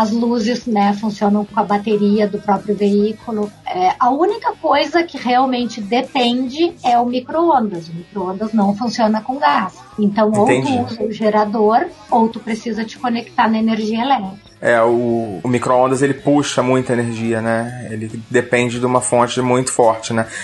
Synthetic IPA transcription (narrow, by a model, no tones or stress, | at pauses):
ɐzluzɪsnɛfũsiõnɐ̃w̃kõɐbat̪eɾiɐd̪ʊpɾɔpɾjʊveikʊlʊɛɐũnikɐkojzɐkɪʁeawmẽnt͡ʃɪd̪epẽnd͡ʒɪɛʊmikɾoõnd̪ɐzʊmikɾoõnd̪ɐznɐ̃w̃fũsiõnɐkõɡas | ẽnt̪ɐ̃w̃owt̪ẽt̪uuzɐʊʒeɾad̪oɾ | owt̪upɾesizɐt͡ʃɪ̥konekt̪aɾnɐeneɾʒiɐelɛt̪ɾɪkɛʊːmikɾoõnd̪ɐzelɪpuʃɐmũj̃t̪ɐeneɾʒiɐnɛelɪd̪epẽnd͡ʒɪd̪ɪũmɐfõt͡ʃɪmũj̃t̪ʊ̥fɔɾt͡ʃɪnɛ